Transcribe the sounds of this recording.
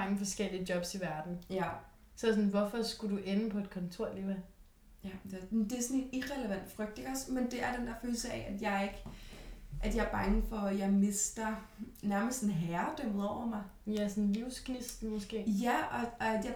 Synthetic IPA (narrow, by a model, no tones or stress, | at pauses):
ɑ̈ŋəfɒ̽sɡ̥el̰iədjɒ̽b̥siʋæɐd̥n̩ | sɒ̽sɔ̽nʋɒfɒ̽sɡ̥uduʔenəpʰɒ̽e̝d̥̚kʰɒ̽nt͡sʰo̝ɐ̰liʋæ | jd̥d̥eæɐsɔne̝d̥iʁɛləʋæn̰d̥ə̥fʁœɡ̥d̥e̝ɡ̥ɒ̽smend̥e̝æɐd̥end̥æɐføːl̩sɐɛ̰ʔæd̥jɑ̈ɪɐe̝ɡ̥ | ʔæd̥jɑ̈ɐb̥ɑ̈ŋəfɒ̽jɑ̈ɪme̝sd̥ɐ | næɐməsd̥sn̩ɦæɐd̥ømð̩ˠɒʊ̰ɐmɑ̈ɪ | jæsɔnliʊ̰skʰnisd̥n̩mɔsɡ̥e̝̰ːjæɒ̽æ̥jɑ